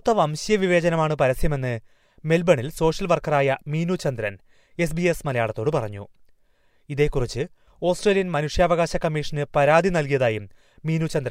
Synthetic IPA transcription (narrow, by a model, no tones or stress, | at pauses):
t̪ːɐmɐmɕjɐʋiʋe̞ːd͡ʑɐnɐmaːɳɨpɐɾɐsjɐme̞nːɨ | me̞lbɐɳilso̞ːʂjɐlʋɐrkɐraːjɐmiːnut͡ɕːɐnd̪ɾɐn | e̞s̬biesmɐlɐjaːɭɐt̪ːo̞ːɽɨpɐrɐɲːṵ | iðe̞ːkːurit͡ɕːɨ | o̞ːsʈreːljɐnmɐnuʂjaːʋɐɣaːɕɐkːɐmːiːʂɐnɨpɐɾaːd̪ʱinɐlkijɐðaːjumː | iːnut͡ɕɐnd̪ɾɐ